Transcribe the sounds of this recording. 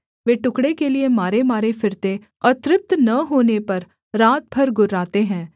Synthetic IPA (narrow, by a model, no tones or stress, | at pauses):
ʋeːʈʊkɽekeliemaːɾemaːɾefɪɾt̪e | ɔːɾt̪ɾɪp̚t̪nɐɦoːnepɐɾ | ɾaːt̪̚bʱɐɾɡʊɾːaːt̪eɦɛ̃ː